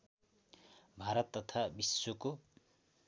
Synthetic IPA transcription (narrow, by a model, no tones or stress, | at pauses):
bʱaɾʌt̪ːʌt̪ʰabisoko